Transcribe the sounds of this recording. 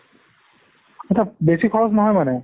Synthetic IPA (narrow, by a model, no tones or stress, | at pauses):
atʰabesikʰɔɹɔsnɔɦɔjmanɛ